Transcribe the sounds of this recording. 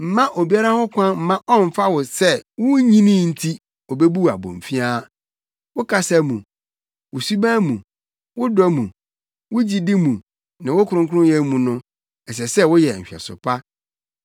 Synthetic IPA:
m̩˨mã˦ʔo˨bi˦a˦ɾa˦hɔ˦kʰʷã˦m̩˨mã˦ʔɔ˦m̩˨fa˦wʊ˨sɛ˦˨wʊ̃˦ɲĩ˦nĩ˦n̩˨tʰi˦ | ɔ˨be˦bu˦a̰˨bõ̰˨m˨fi˦aː˦ | wʊ˦kʰa˦sa˦mũ˨ | wʊ˨su˦bã˦mũ˨ | wʊ˦dɔ˦mũ˨ | wʊ˦d͡ʑi˦dɪ˦mũ˨ | nɪ̃˨wʊ˦kʰʊ˨ɾʊ̃˦ŋkʰʊ˦ʊ̃˦jɛ˦mũ˨nʊ̃˦ | ɛ˨s̬ɛ˨sɛ˦wʊ˦jɛ˨ɕᶣɛ̰˨sʊ̰˨pʰa˦

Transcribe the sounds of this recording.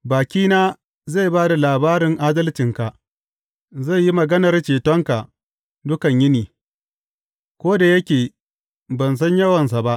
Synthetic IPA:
baː˨kʲiː˦naː˦ | ze˦˨baː˦da˨laː˨baː˦ɾɪ˨ŋʔaː˦dɐ˦lt͡ʃɪ˨ŋka˨ʔ | ze˦˨jːi˦mɐ˨ɡɐ˦nɐ˨rt͡ʃeː˨tɔ˦ŋka˨ | dʊ˦kɐ˨ɲjɪ˦niː˨ | kʷoː˦da˨jɐ˦kʲeː˨ | bɐ˨ns̬ɐ˦ɲjɐ˦wɐ˨ns̬a˨ba˦ʔ

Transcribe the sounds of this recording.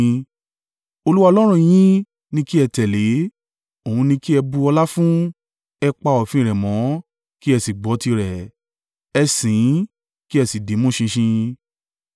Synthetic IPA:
o˧lu˦wa˦˧lɔ˦ɾ̃ũ˦˨j̃ĩ˦ | nĩ˧ki˦ɛ˧tɛ˨le˨˦ | o˨ũ˧nĩ˧ki˦ɛ˧bu˧ɔ˧la˦fũ˦ | ɛ˧k͡pa˧ɔ˨fĩ˧˦˨ɾɛ˨mɔ̃˨˦ | ki˦ɛ˧si˨ɡ͡bɔ˨˦ti˧ɾɛ˨ | ɛ˧sĩ˨˦ | ki˦ɛ˧si˨de˨˦mũ˦˨ʃĩ˧ʃĩ˧

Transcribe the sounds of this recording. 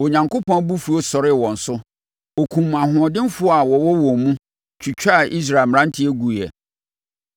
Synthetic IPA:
o˨ɲã˨ŋkʊ˦pʰɔ̃˦bu˦fu˨o˦sɔ˨ɾɪ˦˨wɔ̃˨n̩˨sʊ˦ | o˨kʰũ˨m˨a˨ɦʊ̃˨ɔ˨dɪ̃˦n˦fʊ˦ɔ˦a˨wɔ˨wɔ˦wɔ̃˨mũ˦ | t͡ɕʰu˨t͡ɕᶣa˦˨ʔi˦s̬ɾa˨ɪ˨m˨ɾ̃ã˦n̩˦tʰɪ˦ɛ˦ɡu˨ɛ̰˨

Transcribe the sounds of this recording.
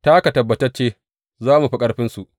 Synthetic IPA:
ta˦ka˨tɐ˨bːɐ˨tɐ˦rt͡ʃeː˦ | zaː˦mu˨ɸi˦kʼɐ˦ɽɸɪ˦nsu˨ʔ

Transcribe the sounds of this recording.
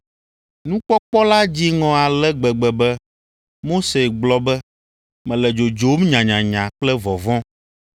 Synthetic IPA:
nũ˦k͡pɔ˦k͡pɔ˦la˦d͡ʑi˦ŋɔ̃˨a˨lɛ˦ɡ͡bɛ˨ɡ͡bɛ˨bɛ˦ | mo˦se˨ɡ͡blɔ˦bɛ˦ | mɛ̃˨lɛ˨d͡ʒo˨d͡ʒo˨˦mɲã˨ɲã˨ɲã˨k͡plɛ˦vɔ˨vɔ̃˦

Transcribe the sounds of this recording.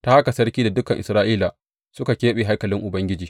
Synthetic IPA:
ta˦ha˦ka˨sɐ˦ɽkʲiː˦da˨dʊ˦kɐ˨ŋʔɪ̰˨sɾaː˦ʔiː˦la˨ | sʊ˦ka˨kʲeː˦ɓe˨ɦa˦jkɐ˨lɪ˦ŋʔʊ˨bɐ˦ŋɡʲɪ˦d͡ʒiː˨

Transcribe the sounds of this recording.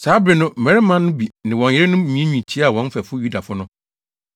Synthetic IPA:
saː˨˦bɪ˨nʊ̃˦˨mɛ̃˨ɾɪ˦mã˦nʊ̃˦bi˨nɪ̃˨wɔ̃˨n˨jɛ˦ɪ˦nʊ̃˦˨mĩ˨˦ẽ˦ɲᶣĩ˨t͡ɕʰi˦a˨wɔ̃˨˦n˦fæ˨fʊ˦ju˦da˨fʊ˦nʊ̃˦

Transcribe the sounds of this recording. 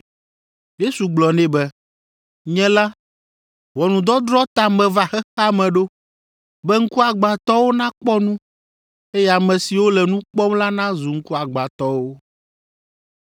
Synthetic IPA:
je˦su˨ɡ͡blɔ˨nɛ̃˦bɛ˦ | ɲɛ̃˦la˦ | wɔ˨nũ˨d̪ɔ˦d̪ɾɔ˦t̪a˨mɛ̃˨va˨xɛ˦xa˦mɛ̃˨ɖo˦ | bɛ˦ŋ̩˦ku˦a˨ɡ͡ba˨t̪ɔ˦wo˦nã˦k͡pɔ˦nũ˦ | e˦jɛ˦a˨mɛ̃˨si˨wo˦lɛ˨nũ˦k͡pɔ˦mla˦nã˦zu˨ŋ̩˦ku˦a˨ɡ͡ba˨t̪ɔ˦wo˦

